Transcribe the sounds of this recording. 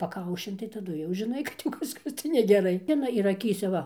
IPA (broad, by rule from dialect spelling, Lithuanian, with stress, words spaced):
pɐˈkɐʊʃʲɪn tɐɪ tɐˈdʊ jɛʊ ʒʲɪˈnɐɪ kɐt jɛʊ ˈkɑːʃkɐs tɐɪ nʲɛɡʲɛˈrɐɪ ˈɪnɐ ɪr ɐˈkʲiːsʲɛ ˈʋɐ